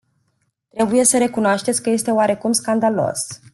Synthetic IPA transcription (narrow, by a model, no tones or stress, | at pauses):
t̪ɾe̞buje̞səɾe̞kunoaʃt̪esʲkəje̞st̪eoaɾe̞kumskand̪alo̞̰s